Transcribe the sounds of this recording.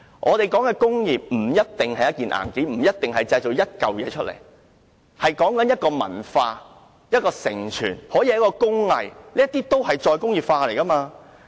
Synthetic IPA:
ʔɔː˨˧t̪e˨jkɔː˨˥ŋɛː˧kʊ˥ŋjiː˨p̚m̩˨˩jɐ˥t̚t̪ɪ˨ŋhɐ˨jɐ˥t̚kiː˨nʔa̰ː˨˩nke˨˥m̩˨˩jɐ˥t̚t̪ɪ˨ŋhɐ˨jt͡sɐ˧jt͡so˨wjɐ˥t̚kɐ˨wjɛː˨˧t͡ʃʰɵ˥t̚lḛ˨˩j | hɐ˨jkɔː˨˥ŋkɐ˨˦njɐ˥t̚kɔː˧mɐ̰˨˩nfaː˧ | jɐ˥t̚kɔː˧sɪ̰˨˩ŋt͡ʃʰyː˨˩nhɔː˨˥ji˧jɐ˦˥kɔː˧kʊ˥ŋlɐ̰˨jliː˥ɐ˥t̪iː˥t̪o˥whɐ˨jt͡ʃɔː˧jkʊ˥ŋjiː˨pfaː˧le˨˩jkɐ˥maː˧

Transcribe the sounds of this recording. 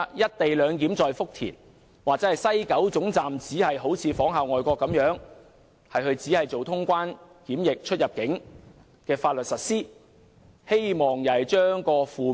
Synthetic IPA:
jɐ˥t̚t̪e˨jlœː˨˧ŋkiː˨˥mt͡sɔː˨jfʊ˥k̚t̪ʰḭː˨˩n | waː˨k̚t͡sɛ˨˥hɐ˨jsɐ˥jkɐ˨˥wt͡sʊ˨˥ŋt͡saː˨mt͡siː˨˥hɐ˨jɦo˨˥wt͡sʰiː˨˧fɔː˨˥ŋɦaː˨wŋɔː˨jkʷɔː˧kːɐ˨˥mjœː˨˥ŋ | hɐ˨jhɵ˧ɥt͡siː˨˥hɐ˨jt͡so˨wt̪ʰʊ˥ŋkʷaː˥n | kiː˨˥mjɪ˨k̚t͡ʃʰɵ˥t̚jɐ˨p̚kɪ˨˥ŋ | kɛː˧faː˧t̚lɵ˨t̚sɐ˨t̚siː˥ | he˥jmɔː˨˩ŋjɐ˨˩jt͡ʃœː˥ŋkɔː˧fuː˨

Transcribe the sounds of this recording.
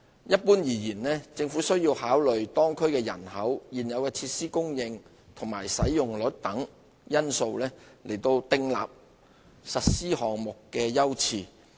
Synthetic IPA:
jɐ˥t̚puː˥njiː˨˩jiː˨˩nlɛː˥t͡sɪ˧ŋfuː˨˥sɵ˥ɥjiː˧whaː˨˥wlɵ˨ɥt̪ɔː˥ŋkʰɵ˥ɥkɛː˧jɐ̰˨˩nhɐ˨˥wjiː˨njɐ˨˧wkɛː˧t͡sʰiː˧t̚siː˥kʊ˥ŋjɪ˧ŋ | t̪ʰʊ˨˩ŋmaː˨˩jsɐ˨˥jjʊ˨ŋlɵ˨˥t̚t̪ɐ˨˥ŋ | jɐ˥nso˧wlɛː˥le˨˩jt̪o˧wt̪ɪ˧ŋla̰ː˨p̚ | sɐ˨t̚siː˥hɔː˨˩ŋmʊ˨kːɛː˧jɐ˥wt͡sʰiː˧˩

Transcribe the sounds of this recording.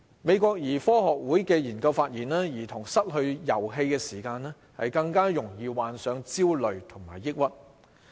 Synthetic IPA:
me˨˧jkʷɔː˧k̚jiː˨˩fɔː˥ɦɔː˨k̚wuː˨˥jkɛː˧jiː˨˩nkɐ˧wfaː˧t̚jiː˨˩nlaː˥jiː˨˩t̪ʰʊ˨˩ŋsɐ˥t̚hɵ˧ɥjɐ̰˨˩wɦe˧jkɛː˧siː˨˩kaː˧nɛː˥ | hɐ̰˨jkɐ˧ŋkaː˥jʊ˨˩ŋjiː˨˧waː˨nsœː˨˧ŋt͡siː˥wlɵ˨ɥt̪ʰʊ˨˩ŋma̰ː˨˩jːɪ˥k̚wɐ˥t̚

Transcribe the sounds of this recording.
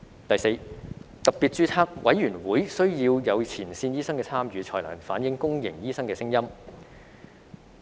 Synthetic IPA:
t̪ɐ˨jse˧jt̪ɐ˨k̚pi˨˩t̚t͡ʃyː˧t͡sʰaː˥k̚wʔɐ̰˨˥jyː˨˩nwuː˨˥jsɵ˥ɥjiː˧wjɐ˨˧wt͡sʰiː˨˩nsiː˧njiː˥sɐ˥ŋkɛː˧t͡sʰaː˥mjyː˨˧t͡sʰɔ̰ː˨˩jlœ̰ː˨˩nfaː˨˥njɪ˨˥ŋkʊ˥ŋjɪ̰˨˩ŋjiː˥sɐ˥ŋkɛː˧sɪ˥ŋjɐ˥m

